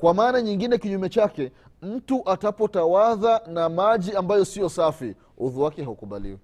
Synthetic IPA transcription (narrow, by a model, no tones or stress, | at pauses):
kwamaːnaɲiŋɡinɛkiɲumɛt͡ʃakɛ | m̩tuʔatapɔtawaðanamaʄiambajɔsijɔsafi | uðuwakɛɦaukuɓa̰lḭwɛ